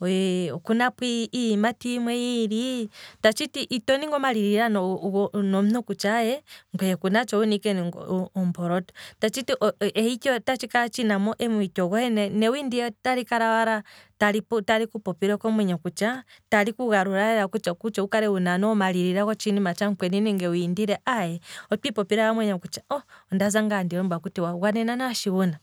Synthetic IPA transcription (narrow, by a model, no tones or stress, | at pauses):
ɛkunapwiːmatimwɛjiɾitat͡ʃitiʔitɔniŋɡɔmaliɾiɾanɔɔnɔm̩nukut͡ʃajɛŋɡɛɛkunat͡ʃɔunikɛnŋɡɔɔmbɔɾɔtɔ̥tat͡ʃitiʔɔɛhikɔtat͡ʃikaɾat͡ʃinamɔʔɛmuitɔɣɔhɛnɛnɛwindiɛtaɾikaɾawaɾataɾiptaɾikupɔpiɾɔkɔmwɛɲɔkut͡ʃatalikuɣaɾuɾaɛɾakut͡ʃakut͡ʃɔukaɾɛwunanɔmaliɾiɾakɔt͡ʃinimat͡ʃaŋkwɛninɛŋɡɛwindiɾɛʔajɛɔpipɔpiɾawamwɛɲɔkut͡ʃḁɔɔndazaŋɡandiɾɔmbakutiwawanɛnanaʃiwuna